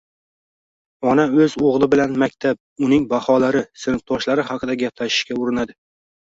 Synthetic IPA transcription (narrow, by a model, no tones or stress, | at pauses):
ɒnaɵzoʁlˠɪbɪlanmakʲt̪ʰap̚ʊnɪŋbahɒlaɾɪsɪnɨt̪ʰɒʃlaɾɪɦɑqʰɨd̪aɡʲapʰlaʃɪ̥ʃkʲaʊɾɪnad̪ɪ